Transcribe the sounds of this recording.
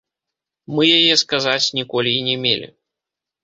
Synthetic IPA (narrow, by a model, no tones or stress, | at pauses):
mɨjajɛskazat͡sʲnʲikɔlʲiːnʲɛmʲḛlʲḭ